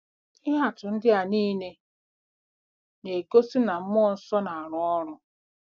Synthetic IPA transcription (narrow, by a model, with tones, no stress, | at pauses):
ɪ˦ɦa˨tʊ˨n̩˦dɪ˦a˨niː˦ne˦ | ne˨ko˦si˦na˨m̩˦mʊ˦n̩˦sɔ˦na˨a˨ɾʊ˨ɔ˦ɾʊ˦